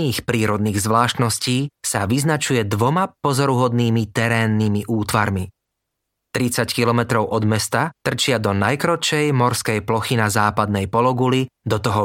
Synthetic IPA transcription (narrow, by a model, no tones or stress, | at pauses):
iːxpɾiːɾɔd̪niːɣzʋlaːʃt̪nɔsciːsaʋiznat͡ʃujɛd̪ʋɔmapɔzɔɾuɦɔd̪niːmit̪ɛɾɛːnːimiʔuːt̪ʋaɾmi | t̪ɾit͡sackilɔmɛt̪ɾɔʊʔɔd̪mɛst̪at̪r̩t͡ʃɪad̪ɔnajkɾɔt͡ʃɛjmɔɾskɛjplɔxinazaːpad̪nɛjpɔlɔɡulid̪ɔt̪ɔɦɔ